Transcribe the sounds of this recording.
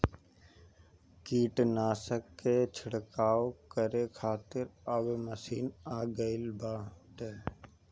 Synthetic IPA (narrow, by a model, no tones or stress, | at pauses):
kiːʈnaːsəkːet͡ʃʰəɽkaːokəɾekʰaːt̪ɪɾəbməsiːnaːɡəɪlbaːʈeː